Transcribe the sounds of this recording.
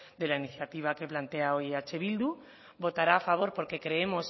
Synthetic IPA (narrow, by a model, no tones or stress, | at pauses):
d̪e̞lainiθjat̪iβ̞ake̞plant̪e̞ao̞jat͡ʃe̞βild̪u | bo̞t̪aɾaːfaβ̞o̞ɾpo̞ɾke̞kɾe̞emo̞s